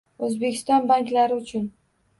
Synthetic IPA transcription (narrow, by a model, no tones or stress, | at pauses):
ɵzbe̞kʲʰɪst̪ɒnbaŋk̪laɾɪʊt͡ʃʰʊn